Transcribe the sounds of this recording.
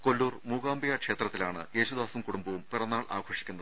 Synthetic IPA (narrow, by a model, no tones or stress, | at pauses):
kolːuːrmuːɡaːmbijaːkʂe̞ːt̪rɐt̪ːilaːɳɨ̰je̞ːɕud̪aːsɐmkuɽumbɐʋumpirɐnːaːɭa̰ːɡʰʱo̞ːʂikʲːunːɐðɨ